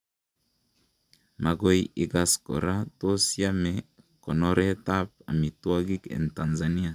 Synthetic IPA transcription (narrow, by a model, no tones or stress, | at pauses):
maɡojiɡasko̰ɾat̪osiame | kɔnɔɾʔet̪ap̚a̰mit̪uaɡikɛ̰nt̪anzania